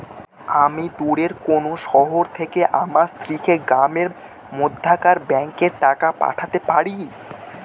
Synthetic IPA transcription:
amid̪uɽeɾkonoʃɔɦoɾt̪ʰekeʔamast̪ɾikʰeɡɾameɾ | mod̪ʱːakaɾbɛŋkeɾʈakapa̰ʈʰat̪epaɾi

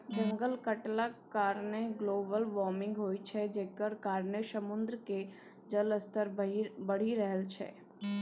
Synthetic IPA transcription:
d͡ʒə̃ŋɡəlkəʈlakːaːɾneɡloːbəlʋɔːɾmɪ̃ŋɡɦoːit͡ʃʰɛd͡ʒeːkəɾkaːɾneʃəmʊ̃nd̪ɾke | d͡ʒələst̪əɾbəɽ̤iɾəɦəlt͡ʃʰɛ̰ː

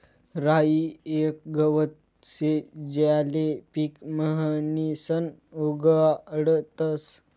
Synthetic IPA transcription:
ɾaiek̚ɡəʋət̪ | sed͡ʑalepikməɦənisənuɡɽt̪əs

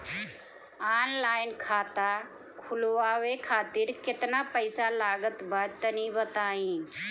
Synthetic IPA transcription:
aːnlaːɪnkʰaːt̪a | kʰʊlwaʋekʰaːt̪ɪɾkɪt̪napəɪsalaːɡət̪baɾt̪ənĩbət̪aːĩː

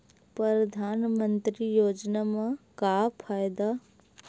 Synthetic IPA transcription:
pɾɐɾɐd̪ʱaːnmə̃nt̪ɾijoːd͡ʒnamãkaːpʰaːjd̪a

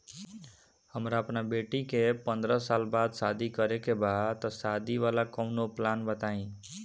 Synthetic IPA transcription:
həmɾaəpnabeʈikepʌnd̪ɾʌsalbad̪sad̪ʱikʌɾekebʱat̪ʌsad̪ʱiwalakʌwnoplanbət̪aĩ

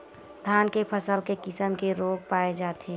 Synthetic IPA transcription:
d̪ʱaːnkepʰəsəlkekɪsəmkeɾoːɡ̚paːed͡ʒaːt̪eː

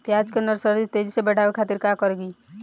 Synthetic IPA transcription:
pjad͡ʒkenəɾsəɾd̪it̪ed͡ʒisebɛʈaʋekʰaːt̪iɾkakəɾɡi

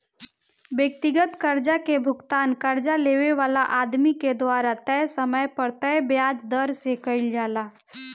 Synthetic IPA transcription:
ʋjək̚t̪ɪɡət̪kəɾd͡ʒakebʱʊɡt̪aːnkɐɾd͡ʒaleːweʋaːlaʔaːd̪miked̪waːɾat̪ɛsəməjpəɾt̪ɛjbjaːd͡ʒd̪əɾsekəɪld͡ʒaːlaː

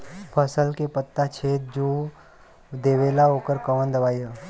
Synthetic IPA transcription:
pʰəsəlkepət̪ːat͡ʃʰeːt̪̚d͡ʒo | d̪eːʋeːlaɦoːkəɾkəʋənd̪ɐʋaːjə

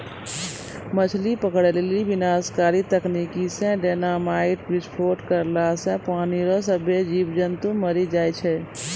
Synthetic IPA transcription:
mət͡ʃʰlipəkɽlelibɪnaːskaːɾit̪əkniːkisẽɖeːnaːmaːɪʈɾɪspʰoːɾʈkəɾlaːsɛ̃paːniɾosəbed͡ʒiːbd͡ʒənt̪uməɾid͡ʒaːit͡ʃʰɛ

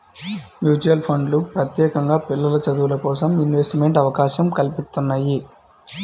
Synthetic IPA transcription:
mjuːt͡ʃuɐlpʰɐɳɖlupɾɐt̪jɛːkɐŋɡaːpilːɐlɐt͡ʃɐd̪uʋulɐkɔːsɐminʋesʈimeɳʈɐʋɐkaːʃɐmkɐlpist̪unːaːji

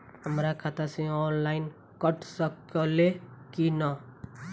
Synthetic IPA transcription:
ɦəmɾakʰat̪əsẽɔnlaɪn | kəʈʰsəkəlekina

